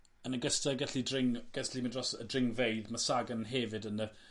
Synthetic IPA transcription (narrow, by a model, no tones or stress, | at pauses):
ənəɡəstaɡɛɬidrɪŋɡ̥ɛɬimindrɔsədrɪŋvejðmasaɡənɦɛvɨdənə